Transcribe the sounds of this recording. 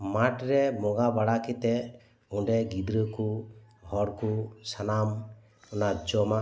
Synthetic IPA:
maʈɾɛmɔɡabaɽakit̪ɛ | uɳɖɛɡid̪ɾəku | hɔɽkusanam | ɔnad͡ʒɔma

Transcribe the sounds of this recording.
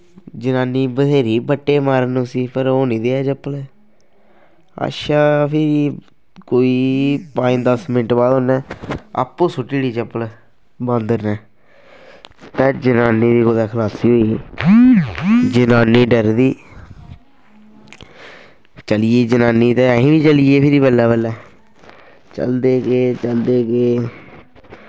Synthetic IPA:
d͡ʒənaːniːbəd̪eːɾiːbəʈːeːmaːɾənũsiːpəɾoːnĩːd̪eaːt͡ʃəpːəlɛ | a̰ʃaːpʰɪɾi | koːiːpãːd̪əsmɪnəʈbaːd̪ɦoːnɛːa̰ːpːõːsʊʈːiːɽiːt͡ʃəpːəl | bə̃nd̪ənɛː | t̪ɛ̃ːd͡ʒənaːniːd̪iːkoːd̪aːkʰəlaːsiːɦoːiː | d͡ʒənaːniːɖəɾd̪iː | t͡ʃəlijeːd͡ʒənaːniːt̪ɛ̃ːĩːbiːt͡ʃəlijeːpʰɪɾiːbəlːaːbəlːɛː | t͡ʃə̰ld̪eːkeːt͡ʃəld̪eːkeː

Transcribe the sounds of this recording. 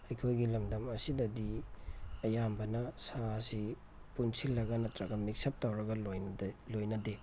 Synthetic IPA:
ɐjkʰojɡilɐmdɐmɐsidɐdi | ɐjambɐnɐsasi | punsilːɐɡɐnɐtɾɐɡɐmik̚sɐp̚tawɾɐɡɐlojlojnɐde

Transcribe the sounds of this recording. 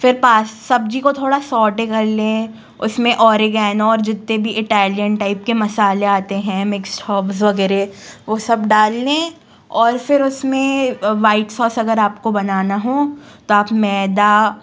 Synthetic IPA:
fɪɾpaːssɐb̚d͡ʒikot̪ʰoːɽasɔːʈẽkɐɾlẽ | ʊsmẽʔɔːɾiɡɛːnɔːɾd͡ʒɪt̪ːẽbʱiʔɪʈɛːlijənʈaːɪp̚kemɐsaːleaːt̪eɦɛ̃mɪksʈʰɔːpsʋɐɡɛːɾeʋoːsɐbɖaːlːẽː | ɔːɾfɪɾʊsmẽʋaːɪʈsɔːsɐɡəɾaːp̚kobɐnaːnaɦõːt̪oaːpmɛːd̪a

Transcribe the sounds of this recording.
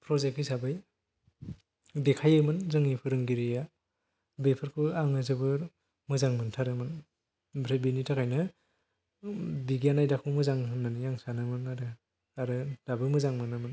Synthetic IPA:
pʰɾɔzek̚isabɯj | dekʰajɯmɯnzɯŋipʰɯɾɯŋɡiɾija | bepʰɯɾkʰɯaŋnɯzɯbɯɾ | mɯzaŋmɯntʰaɾɯmɯn | bɾebinitʰakʰajnɯ | biɡijanajdakʰɯmɯzaŋɯnanɯjaŋsanɯmɯnaɾɯ | aɾɯd̥abɯmɯzaŋmɯnamɯn

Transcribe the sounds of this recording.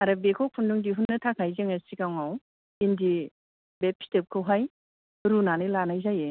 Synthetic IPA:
aɾabekʰowkʰunduŋdiɦunːɯtʰakʰajzɯŋasikawŋaw | indi | bepʰi̥tep̚kʰɯwɦaj | ɾunanilanajzaje

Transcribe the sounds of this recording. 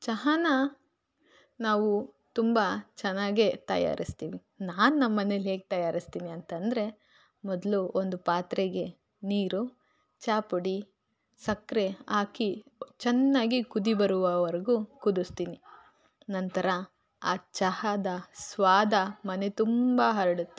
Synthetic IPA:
t͡ʃɐɦɐnɐ | naːʋu | t̪umbɐt͡ʃɛnːaːɡet̪ɐ̰ja̰ːɾʔist̪iːʋi | naːnunɐmːɐnelɦe̞ːɡet̪ɐjaːɾist̪iːniɐnt̪ɐnd̪ɐɾe̞ | mɔd̪luʔond̪upaːt̪ɾeɡe̞ | niːɾu | t͡ʃaːpuɽi | sɐkːɾeaːkit͡ʃɛnːaːɡikud̪ibɐɾuʋɐʋɐɾɐɡukud̪ust̪iːni | nɐnt̪ɐɾɐ | aːt͡ʃɐhɐd̪ɐsʋaːd̪ɐmɐne̞t̪umbɐɦɐɾɐɽut̪ːe

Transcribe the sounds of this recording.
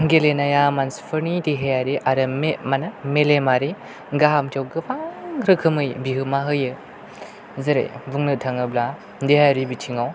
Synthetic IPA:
ɡelenajamanspʰɯɾnitiɦejaɾiʔaɾɯmmanamelemaɾi | ɡaɦamtʰawɡɯpʰaŋɾɯkʰɯmɯjbiɦɯmaɦɯjɯ | zɯɾḛbuŋnɯtʰaŋɯbla | diɦaaɾibitʰiŋaw

